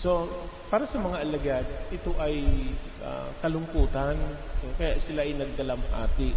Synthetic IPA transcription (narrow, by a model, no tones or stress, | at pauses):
so̞ | paːɾɐsɐmɐŋaʔɐlɐɡad̪̚ʔɪt̪oʔɐj | ʔa̰k̪ɐlʊŋkuːt̪ankokɐjaʔsɪlaʔɐjnɐɡ̚d̪ɐlamʔa̰ːt̪ɪ